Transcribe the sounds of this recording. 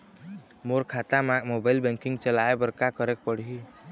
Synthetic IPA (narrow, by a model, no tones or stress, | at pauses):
moɾkʰat̪amamobailbɛ̃ŋkiŋɡt͡ʃəlaebəɾkakəɾek̚pəɽ̤ɦi